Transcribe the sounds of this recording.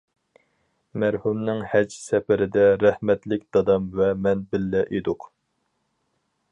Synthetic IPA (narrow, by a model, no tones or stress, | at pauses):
mæɾhumnɪŋhɛd͡ʒsɛpɪɾɪd̪ɛɾæhmɛt̪lɪkʲd̪̥ɑd̪ɑmvɛmɛnbɪlːɛʔed̪ʊq